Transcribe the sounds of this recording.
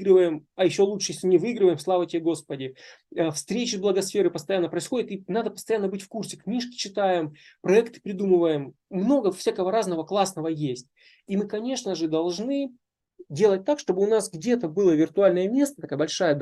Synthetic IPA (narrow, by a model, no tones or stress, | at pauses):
ɡɾɨvəjɪmɐjɪɕːolˠuʂɨjesʲlʲɪnʲɪvɨiɡɾɨvəjɪmslˠavətʲɪbʲeɡo̞spədʲɪ | əfst̪ɾʲet͡ɕɪzblˠəɡɐsfʲe̞ɾɨpəst̪ɐjanːəpɾəɪsxo̞dʲɪt̪inad̪əpəst̪ɐjanːəbɨtʲfkursʲɪknʲiʂkʲɪ̥t͡ɕɪt̪ajɪm | pɾɐɛkt̪ɨ̥pɾʲɪd̪umɨvəjɪmː | no̞ɡəfsʲakəvəɾaznəvəklˠasnəvəjesʲtʲ | imɨkɐnʲe̞ʂnəʐɨd̪ɐlˠʐnɨ | dʲe̞lˠət̚ʲt̪akʂt̪o̞bɨʊnasɡdʲe̞t̪əbɨlˠəvʲɪrt̪ʊalʲnəjəmʲe̞st̪ət̪ɐkajəbɐlʲʂajəd̪